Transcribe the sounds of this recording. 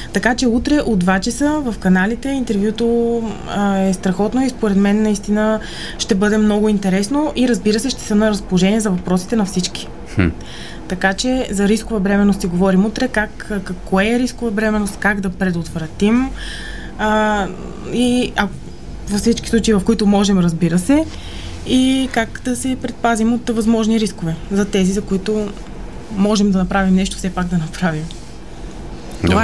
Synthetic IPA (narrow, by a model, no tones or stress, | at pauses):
t̪ɐkat͡ʃɛut̪ɾɛʔod̪vat͡ʃɐsəvɐfkɐnalit̪ɛint̪ɛɾvjut̪o | ɛst̪ɾɐxɔt̪noispoɾɛd̪mɛnːɐist̪inə | ʃt̪ɛbɤd̪ɛmnɔɡʊint̪ɛɾɛsnoʔiɾɐzbiɾəsɛʃt̪ɛ̥sənəɾəspolˠoʒɛniɛzɐvɐpɾɔsi̥t̪ɛnɐfsit͡ʃki̥ | t̪ɐkat͡ʃɛzɐɾiskʊvəbɾɛmɛnːost̪siɡovɔɾimut̪ɾɛkakkɐkɔɛɾiskʊvəbɾɛmɛnost̪̚kaɡd̪ɐpɾɛd̪ot̪vɾɐt̪im | iɐ | vɐfsit͡ʃkʲi̥sˠut͡ʃɐivɐfkoit̪omɔʒɛmɾɐzbiɾəsɛ | ikakd̪ɐsɛpɾɛt̪̚pazimot̪vɐzmɔʒniɾiskovɛzɐt̪ɛzizɐkoit̪o | mɔʒɛmd̪ɐnɐpɾavimnɛʃt̪o̥fsɛpaɡd̪ɐnɐpɾavim | oa